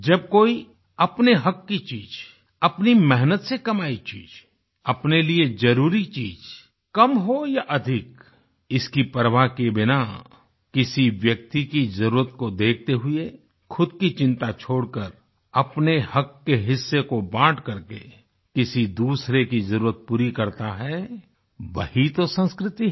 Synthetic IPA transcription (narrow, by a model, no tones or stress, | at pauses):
d͡ʒɐb̚koːi | ɐpneɦɐkːit͡ʃiːd͡ʒ | ɐpnimɛɦnət̪sekɐmaːit͡ʃḭːd͡ʒ | ɐpnelied͡ʒɐɾuːɾit͡ʃiːd͡ʒ | kɐmɦojaʔɐd̪ʱɪk | ɪskipəɾʋakebɪna | kɪsiʋjɐk̚t̪ikizɐɾuːɾət̪̚kod̪eːk̚ʰt̪eɦʊe | xʰʊd̪̚kit͡ʃɪ̃nt̪at͡ʃʰoːɽkəɾ | ɐpnehɐkːeɦɪsːekobãːʈkɐɾke | kɪsid̪uːsɾekizɐɾuːɾət̪̚puːɾikɐɾt̪aɦɛ | ʋɐ̰hit̪osə̃nskɾɪt̪iɦ